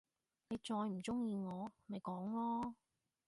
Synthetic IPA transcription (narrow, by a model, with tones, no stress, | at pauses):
ne˨˧jt͡sɔː˧jm̩˨˩t͡sʊ˥ŋjiː˧ŋɔː˨˧mɐ˨jkɔː˨˥ŋlɔː˥